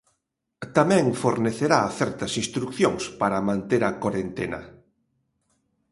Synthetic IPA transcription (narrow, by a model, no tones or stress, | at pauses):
t̪amɛ̃ŋfoɾneθeɾaθɛɾt̪ɐsĩst̪ɾukθjoŋspaɾɐmãnt̪eɾɐkoɾent̪enɐ̰